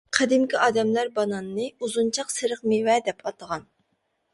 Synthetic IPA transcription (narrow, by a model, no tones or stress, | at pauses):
qʰæd̪ɪmkʲiɑːd̪ɛmlæɾbɑnɑnːɨuzunt͡ʃʰɑqsɨɾəqmewɛd̪ɛpʰɑt̪əʁɑn